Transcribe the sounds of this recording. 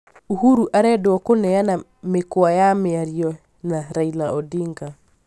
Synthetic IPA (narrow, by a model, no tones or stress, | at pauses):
uhuɾuʔaɾɛdoɔkonɛjana | mekoajameaɾjɔ | naɾailaʔɔdiŋɡa